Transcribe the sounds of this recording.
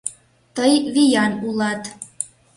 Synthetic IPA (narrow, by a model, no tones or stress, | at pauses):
t̪əjβijɑnulɑt̪